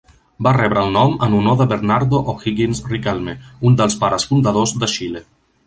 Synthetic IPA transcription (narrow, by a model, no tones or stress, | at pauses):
barɛβɾəːlˠnɔmənunoðəβəɾnaɾðoʔoxiɣinzrikɛlˠmeund̪əlˠspaɾəsfund̪əðozðəʃile